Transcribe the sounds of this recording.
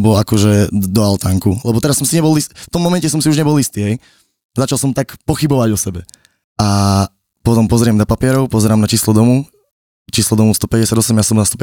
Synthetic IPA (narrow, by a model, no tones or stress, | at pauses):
bɔlakɔʒɛd̪ɔalt̪aŋkulɛbɔt̪ɛɾasːɔmsiɲɛbɔlisft̪ɔmːɔmɛncɛsɔmsiuʒɲɛbɔlist̪iːɦɛj | zat͡ʃalˠsɔmt̪akpɔxibɔʋaɟɔsɛbɛ | a | pɔt̪ɔmpɔzɾɪɛmnapapɪɛɾɔʊpɔzɛɾaːmnat͡ʃiːslɔd̪ɔmu | t͡ʃiːslɔd̪ɔmust̪ɔpɛɟɛsjad̪ɔsɛmjasɔmnast̪ɔpɛ